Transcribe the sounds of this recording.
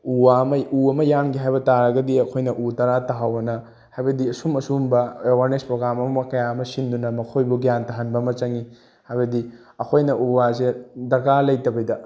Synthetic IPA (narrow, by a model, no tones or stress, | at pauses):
uwaɐmɐuɐmɐjamɡiɦajbɐtaɾɐɡɐdiɐkʰojnɐʔutɐɾataɦawɐnɐ | hajbɐdiɐsumɐsumbɐewaɾnespɾoɡɾamɐmɐkɐjaɐmɐsindunɐmɐkʰojbuɡijantɐɦɐnbɐmɐt͡ʃɐŋi | hajbɐdi | ɐkʰojnɐʔuwasedɐɡalɐjtɐbɐjdɐ